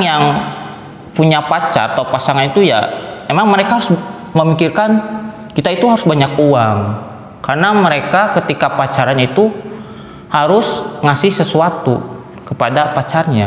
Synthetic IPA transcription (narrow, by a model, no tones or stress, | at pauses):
jaŋ | puɲapat͡ʃa̰ɾat̪aupasaŋanit̪uja̰memaŋməɾekaɦaɾʊs | məmikirkan | kit̪ait̪uɦaɾʊsbaɲakuaŋ | karnaməɾekakət̪ikapat͡ʃaɾaɲait̪u | haɾʊsŋasɪhsəsuat̪u | kəpadapat͡ʃarɲa